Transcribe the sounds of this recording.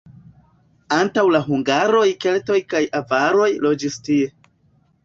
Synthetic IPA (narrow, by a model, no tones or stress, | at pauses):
antawlaɦuŋɡaɾo̞jke̞lto̞jkajavaɾo̞jlo̞d͡ʒistie̞